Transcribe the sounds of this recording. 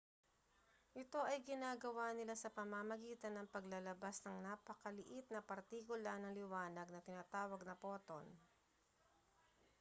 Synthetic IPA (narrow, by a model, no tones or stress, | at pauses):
ʔɪt̪o̞ʔɐjɡɪnaːɡɐwanɪlasɐpɐmamɐɡiːt̪ɐnːɐŋpɐɡlɐlɐbasnɐŋnaːpɐkɐlɪʔɪt̪̚nɐpɐɾt̪ikʊlaɾnɐŋlɪwaːnɐɡ̚nɐt̪ɪnaːt̪aːwɐɡ̚nɐpo̞ːt̪on